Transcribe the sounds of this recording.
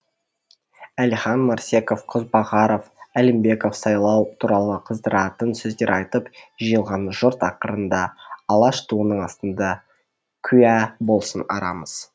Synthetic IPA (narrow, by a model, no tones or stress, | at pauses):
æliχɑnmɑɾse̞ko̞fqʰʊzbɑʁɑɾo̞fælɪmbe̞ko̞fsɑjlˠɑwt̪ʰuɾɑlˠəqʰəzd̪əɾɑt̪ənsɵzd̪eɾʔɑjt̪əpʒijəlˠʁɑnʒʊɾt̪ɑqəɾənd̪ɑːlˠɑʃt̪ʰuənəɴɑst̪ənd̪ɑ | kʲʰʏjæbo̞lˠsənɑ̰ɾɑ̰məz̥